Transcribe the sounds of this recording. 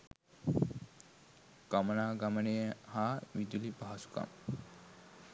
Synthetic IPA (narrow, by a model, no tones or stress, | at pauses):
ɡ̥ɐmɐnaːɡɐmɐneɦaʋid̪ulibaɦɐsu̥ka̰m